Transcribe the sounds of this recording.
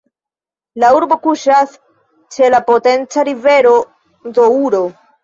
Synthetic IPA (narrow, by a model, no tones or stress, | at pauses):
lauɾbo̞kuʃas | t͡ʃe̞lapo̞te̞nt͡saɾive̞ɾo̞ | do̞uɾo̞